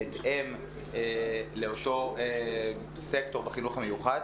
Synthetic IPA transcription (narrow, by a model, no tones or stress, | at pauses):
etʔem | eleoto̞e | sekto̞ʁbeχinuχamejuχad